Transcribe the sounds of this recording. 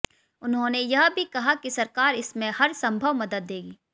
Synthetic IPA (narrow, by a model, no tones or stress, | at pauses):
ʊnɦõnejɐɦbʱikɐɦakisɐɾkaːɾɪsmẽhɐɾsɐ̃mbʱəʋmɐd̪əd̪̚ːeːɡiː